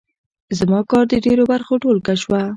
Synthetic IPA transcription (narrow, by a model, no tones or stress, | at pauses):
zmɑkɑɾd̪əɖeɾobaɾxoʈolkaʃwa